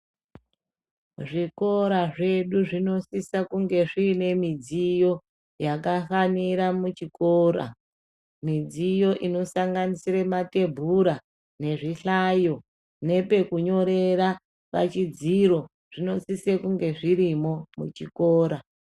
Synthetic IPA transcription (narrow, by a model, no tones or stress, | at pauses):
ʐiko̞ɾaʐe̞ɗuʐino̞sisakuŋɡe̞ʐine̞mid͡zijo̞ | jakafaniɾamut͡ʃikoɾa̰ | mid͡zijo̞ʔino̞saŋɡanisiɾemate̞bʱuɾa | ne̞ʐiɬajo̞ | ne̞pe̞kuɲo̞ɾe̞ɾa | pa̰t͡ʃid͡ziɾo̞ | ʐ̥ino̞sisekuŋɡe̞ʐiɾimo̞mṵt͡ʃikoːɾa